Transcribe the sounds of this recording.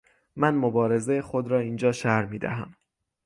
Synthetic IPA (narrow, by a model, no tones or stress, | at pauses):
mænmobɒːɾe̞zejexod̪ɾɒːiːnd͡ʒɒːʃæɾmiːd̪æ̰ɦæ̰m